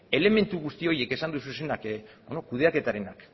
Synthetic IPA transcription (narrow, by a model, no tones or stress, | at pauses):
e̞le̞me̞nt̪uɣust̪io̞je̞ke̞sand̪ususe̞nakbonokuð̞e̞ake̞t̪aɾe̞nak